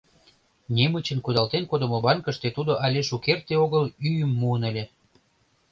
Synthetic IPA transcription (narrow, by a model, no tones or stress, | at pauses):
nʲemət͡ɕənkud̪ɑlt̪enkod̪ə̆mobɑnkə̆ʃt̪et̪ud̪oʔɑlʲeʃukert̪eoɣəlyjəmːuənəlʲe